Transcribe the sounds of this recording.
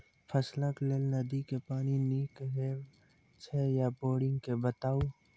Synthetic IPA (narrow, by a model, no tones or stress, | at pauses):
pʰəsləklelnɐd̪ikepaːniniːkɦe | t͡ʃʰejapoːɽɪ̃ŋɡkebət̪aːuː